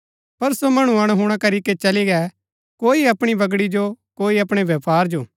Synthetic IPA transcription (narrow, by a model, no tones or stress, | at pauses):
pɐɾsomɐɽ̃ũɐ̃ɦuɽ̃akɐɾiket͡ʃɐliɡɛ | koːiɐpɽ̃ibɐɡɽid͡ʒokoːiɐpɽ̃eʋjɐpaːɾd͡ʒoː